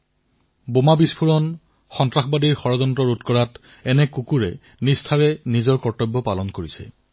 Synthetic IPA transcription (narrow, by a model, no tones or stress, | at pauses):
bomabispʰuɹɔn | xɔntɹaxbadiɹxɔɹɔzɔntɹɔɹutkɔɹat | ɛnɛkukuɹɛ̰ | nistʰaɹɛnizɔɹkɔɹtɔbːɔpalɔnkoɹisɛ̰